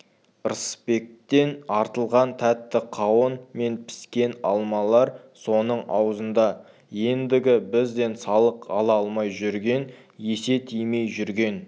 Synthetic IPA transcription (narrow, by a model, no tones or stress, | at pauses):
ɾəspe̞k̚t̪e̞nɑɾt̪əlˠʁɑnt̪ʰæt̪ːɪqʰɑwənme̞npʰɪ̥skʲe̞nɑlˠmɑlˠɑɾ | so̞nəɴɑwzənd̪ɑ | je̞nd̪ɪɡʲɪbɪzd̪e̞nsɑlˠəqɑlˠɑɑlˠmɑjʒʏɾɡʲe̞n | je̞se̞t̪ʰijme̞jʒʏɾɡʲe̞n